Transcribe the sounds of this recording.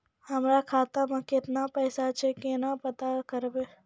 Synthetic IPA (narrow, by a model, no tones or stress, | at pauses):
hɐmɾakʰaːt̪amə̃kɪt̪napɛːsat͡ʃʰekenapɐt̪akəɾbeː